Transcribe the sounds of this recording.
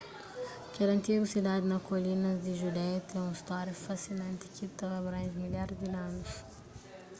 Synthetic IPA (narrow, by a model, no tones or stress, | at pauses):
kɛɾɐ̃nt̪iɡusid̪ad̪ɪnɐkolinɐd̪ɪʒud̪ɛt̪ẽũist̪ɔɾɐfasinɐ̃nt̪ɪ̥kit̪avɐbɾãj̃ʒmiʎaɾzd̪inãnʊs